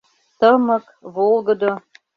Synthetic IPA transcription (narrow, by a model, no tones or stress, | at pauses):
t̪əmə̆k | βolˠɡə̆d̪o